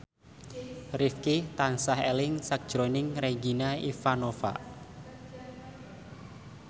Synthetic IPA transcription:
rifkit̪ansahḛlɪŋsak̚d̥ʒ̥ɾonɪŋreɡinaifanofa̰

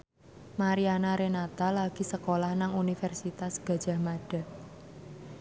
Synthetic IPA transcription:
maɾianaɾenat̪alaɡ̥i̤səkolahnaŋunifɛrsit̪asɡ̥ä̤̥d͡ʒ̥a̤maɖ̥a̤

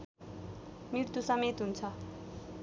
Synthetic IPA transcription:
miɾt̪usʌmet̪ɦunt͡sʰʌ

